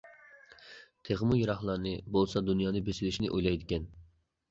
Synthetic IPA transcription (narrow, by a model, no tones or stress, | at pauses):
t̪ʰeʁmujuɾɑχlˠɑɾnɨbolˠsɑd̪unjɑːnɨbesɪlɪʃnɪʔojlˠɑjd̪ɪkʲɛn